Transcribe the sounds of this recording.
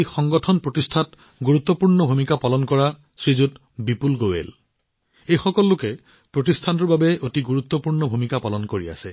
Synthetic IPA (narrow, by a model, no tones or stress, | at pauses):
jxɔŋɡɔtʰɔnpɹotistʰat | ɡuɹut̪ːɔpuɹnɔbʱumikapalɔnkɔɹa | sɹizut | bipulɡowḛl | ejxɔkɔlːʊkɛ | pɹotistʰantɔɹbabɛʔotiɡuɹut̪ːɔpuɹnɔbʱumikapalɔnkoɹia̰sɛ